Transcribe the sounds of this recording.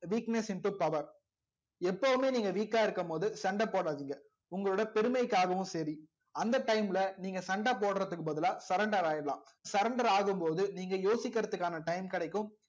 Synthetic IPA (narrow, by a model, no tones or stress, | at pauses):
ʋiːknɛsɪnʈɯpɐʋɐɾ | ɛpːɐʋɯmeːniːŋɡɐʋiːkːaːɪɾɯkːɯmpoːðɯsɐɳɖɐpoːɽaːðiːŋɡɐ | ʊŋɡɐɭoːɽɐpɛɾɯmɐɪkːaːɣɐʋɯ̃sɐɾi | ɐnd̪ɐʈɐɪmlɐniːŋɡɐsɐɳɖapoːɽɐɾɐt̪ːɯkːɯbɐðɯlaːsɐɾɐɳɖɐɾaːjɪɾɐlã̰ː | sɐɾɐɳɖɐɾaːɣɯmpoːðɯniːŋɡɐjoːsɪkːɐɾɐt̪ːɯkːaːnɐʈɐɪmkɪɽɐɪkːɯm